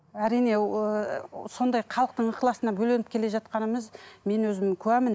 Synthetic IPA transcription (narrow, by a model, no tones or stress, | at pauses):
æɾijne̞əso̞nd̪ɑjqʰɑlˠəq̚t̪əɴəqlˠɑsənɑbɵle̞nɪpkʲʰe̞le̞ʒɑt̪̚qɑnəməzme̞nwɵzɪmkʲʰɵwæmɪn